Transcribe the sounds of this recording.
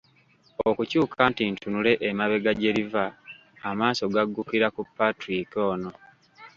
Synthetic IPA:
okucuːkʰantintʰunule̞ʔemaβe̞ɡaɟe̞ɾivaː | maːso̞ɡaɡːukiɾakupːatɾiko̞ːno̞

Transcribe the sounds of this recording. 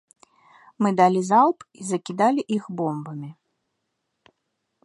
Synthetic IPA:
mɨd̪alʲizalˠpizɐkʲid̪alʲiʔixbɔmbɐmʲi

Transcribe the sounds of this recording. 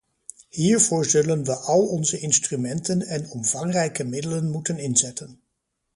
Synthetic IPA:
hiːɹvʊːɹzɵlənʋəʔɑlˠɔnzəɪnstrymɛntənɛnɔmvɑŋrɛjkəmɪdələnmutənɪnzɛtən

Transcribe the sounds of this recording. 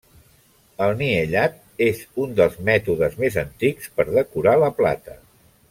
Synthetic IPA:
əlˠniəʎat̪̚ | ezund̪əlˠzmɛt̪uðəzmezənt̪ikspəɾðəkuɾaləpla̰t̪ə

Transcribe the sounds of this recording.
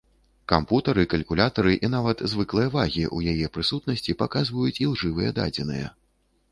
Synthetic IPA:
kamput̪ɐɾɨkɐlʲkulʲat̪ɐɾɨʔinavɐt̪zvɨklˠɨjɐvaɣʲiʔujajɛpɾɨsut̪̚nɐsʲt͡sʲipakazvɐjut͡sʲilˠʐɨvɨjɛd̪a̰d͡zʲɛnɨ̰jɐ̰

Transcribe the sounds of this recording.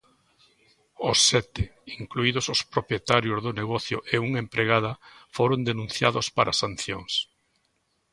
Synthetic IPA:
ʊsːɛt̪ɪiŋkluið̞osospɾopjet̪aɾjozðoneɣɔθjʊʔeuŋempɾeɣað̞ɐfoɾond̪enũn̟θjaðospaɾʔa̰san̟θjoŋs

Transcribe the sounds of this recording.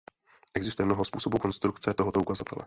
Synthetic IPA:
ʔɛɡzɪst̪ujɛmno̞ɦospuːso̞buko̞nst̪ɾukt͡sɛt̪o̞ɦot̪o̞ukazat̪ɛlɛ̰

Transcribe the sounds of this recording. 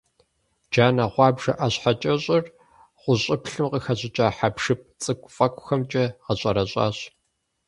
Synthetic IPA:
d͡ʒaːnɐʁʷɑːbʒɐʔaɕħat͡ʃʼɐɕʼɪr | ʁʷʊɕʼɪpɬɨmqəxɐʑʼɪt͡ʃʼaːħapʂɨp̚ʰt͡sʼɨkʷʼʊfʼɐkʷʼʊxɐmt͡ʃʼɐʁɐɕʼɐɾɐɕʼa̰ːɕ

